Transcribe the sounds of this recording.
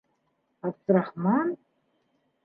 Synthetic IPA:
abt͡sraħman

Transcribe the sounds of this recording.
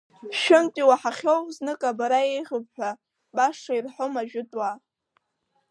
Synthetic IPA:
ʃɪmtʼiwaħaχʲo̞wznɨkʼabaɾae̞jʁʲɨb̚ʼħʷᶣa | baʂairħomaʒᶣʊtʼwa

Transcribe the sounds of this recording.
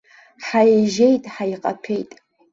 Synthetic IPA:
ħajeʒe̞jtʼħaiqʼa̰pʰe̞jtʼ

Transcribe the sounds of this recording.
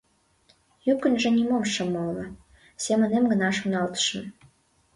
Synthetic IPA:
jukə̆nʲʒĕnʲimomʃə̆molnɤ̆ | sʲemə̆nemɡə̆nɑʃunɑlt̪ə̥ʃə̆n

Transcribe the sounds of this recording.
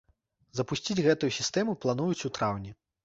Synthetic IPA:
zɐpusʲt͡sʲid͡zʲɣɛt̪ujusʲist̪ɛmuplˠanujut͡sʲut̪ɾawnʲi

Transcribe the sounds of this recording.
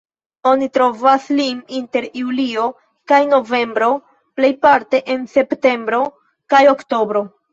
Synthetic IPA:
o̞nitɾo̞vasliminte̞ɾjulio̞ | kajno̞ve̞mbɾo̞ | ple̞jpaɾte̞ʔe̞nse̞pte̞mbɾo̞ | kajo̞kto̞bɾo̞

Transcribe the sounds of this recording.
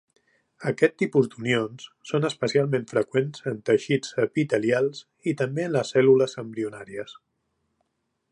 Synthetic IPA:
əkɛt̪ːipuzd̪unionssonəspəsialˠmẽɱfɾəkwenzənt̪əʃit͡səpit̪əlialˠs | it̪əmbeənləsːɛluləzəmbɾiunaɾiəs

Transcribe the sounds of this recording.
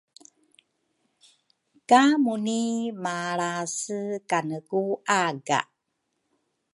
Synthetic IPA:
kamunimaɭasəkanəkuʔaɡa̰

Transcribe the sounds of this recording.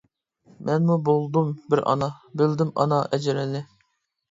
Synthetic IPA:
mʔɛnmubolˠd̪umbɪɾɑ̰nɑbɪld̪ɪmɑ̰nɑɛd͡ʒɪɾɛnɪ

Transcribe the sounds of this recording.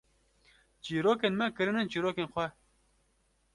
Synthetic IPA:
t͡ʃiːɾoːkeːnmɛkɨɾɨnɨnt͡ʃiːɾoːkenxʷɛ

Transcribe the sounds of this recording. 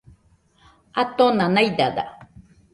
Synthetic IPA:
at̪onanajd̪ad̪a̰

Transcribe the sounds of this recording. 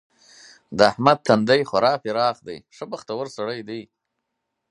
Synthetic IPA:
d̪əahmad̪̚t̪ʰand̪ajxaɾɑːfiɾɑːχd̪a̰jʂəbəxt̪awəɾsaɽəjd̪ij

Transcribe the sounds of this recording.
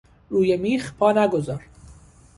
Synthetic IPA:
ɾujemixpʰɑnaɡʊzɑɾ

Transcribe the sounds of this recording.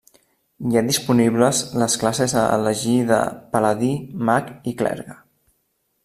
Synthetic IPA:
jadispuniβləzləsklasezələʒiðə̰pələðimakiklɛ̰ɾɣə

